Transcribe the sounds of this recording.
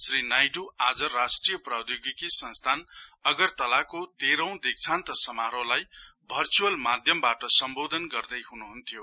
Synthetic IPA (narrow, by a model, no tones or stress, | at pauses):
srinajɖuad͡zʌrasʈrijʌprʌd̪joɡikisʌnst̪ʰanʌɡʌrt̪ʌlakot̪eɾʌ̃w̃d̪ik̚t͡sʰant̪ʌsʌmaɾolaj | bʱʌrt͡suʌlmad̪ʱjʌmbaʈʌsʌmbod̪ʱʌnɡʌrd̪ʌjɦunuɦunt̪ʰijo